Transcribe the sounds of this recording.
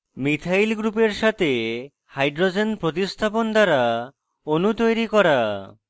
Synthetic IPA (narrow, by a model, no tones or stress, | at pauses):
mit̪ʰajlɡɾupeɾʃat̪ʰe | hajɖɾod͡ʑenpɾot̪̬ist̪ʰapond̪aɾa | onut̪ojɾikɔɾa